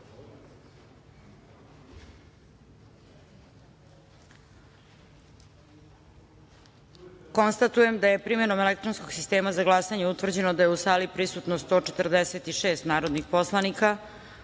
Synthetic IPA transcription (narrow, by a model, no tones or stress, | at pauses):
ko̞nst̪at̪uje̞md̪aje̞pɾime̞no̞me̞le̞k̚t̪ɾo̞nsko̞ɡ̥sist̪eːmazaɡlˠasaɲeut̪ʋr̩d͡ʑe̞no̞d̪ajeusaːlipɾisut̪nost̪o̞ːt͡ʃe̞t̪r̩d̪eset̪iʃeːst̪naːɾo̞d̪nixpo̞slˠanika